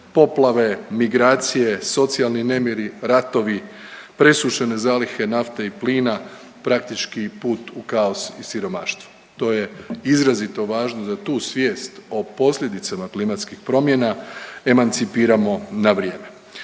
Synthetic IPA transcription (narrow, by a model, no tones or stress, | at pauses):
po̞plaʋe̞miɡɾaːt̪sije̞so̞t̪sialˠnine̞mjeɾiɾat̪o̞ʋipɾe̞suʃene̞zaːlixe̞naft̪e̞ipliːna | pɾak̚t̪it͡ʃkipuːt̪ukaosisiɾo̞maːʃt̪ʋu̥ | t̪o̞ːje̞izɾazit̪o̞ʋaːʒnod̪at̪uːsʋje̞ːst̪o̞po̞slʲed̪it̪samaklimat̪skixpɾo̞mje̞nae̞mant̪sipiːɾamo̞naʋɾje̞ːme̞